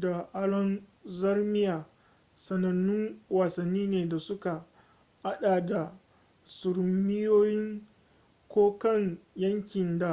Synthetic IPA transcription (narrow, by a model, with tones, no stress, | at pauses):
da˨ʔa˦ɽɔ˦nzɐ˦rmɪ˦jaː˨ | sɐ˨nɐ˨nːʊ˦ŋwaː˨sɐ˨nːiː˦neː˨da˨sʊ˦ka˨ | ha˦ɗaː˨da˨ | sʊ˨ɾmɪ˦joː˦jɪ˦ŋ | kʷoː˦kɐ˦ŋjɐ˦ŋkʲɪ˨nda˨